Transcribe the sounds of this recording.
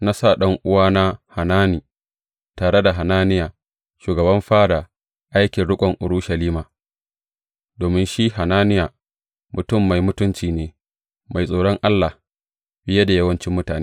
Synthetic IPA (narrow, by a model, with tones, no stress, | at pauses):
na˦sa˦˨ɗɐ˦ŋʔʊ˦waː˦na˦ha˨naː˦niː˨ | taː˨ɽe˦da˨ɦa˨naː˦nɪ˦jaː˨ | ʃuː˨ɡɐ˨bɐ˦mɸaː˦da˨ | ʔa˦jkʲɪ˨nɽʊ˦kʷʼɔ˨ŋʔʊ̰˨ɾʊ˦ʃɐ˨liː˦maː˨ | doː˨mɪ˦nʃi˦ha˨naː˦nɪ˦jaː˨ | mʊ˨tʊ˦˨mːa˨jmʊ˦tʊ˦nt͡ʃiː˨neː˦ | ma˨jsʼoː˨ɽɔ˦ŋʔa˦lːa˨ | bɪ˦ja˦da˨jɐ˦wɐ˦nt͡ʃɪ˦mːʊ˦taː˨neː˦